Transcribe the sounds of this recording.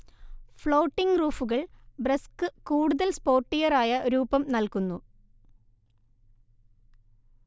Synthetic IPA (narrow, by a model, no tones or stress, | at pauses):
fɭo̞ːʈːiŋɡruːfuɣɐɭbreskɨkuːɽuðɐlspo̞ːrʈːijɐraːjɐɾuːbɐmnɐlkunːu